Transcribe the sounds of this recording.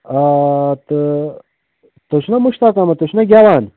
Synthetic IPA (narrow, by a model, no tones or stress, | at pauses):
at̪ | t̪oɕnɐmuɕt̪aːkamɐt̪oɕnɐɡʲjaːwaːn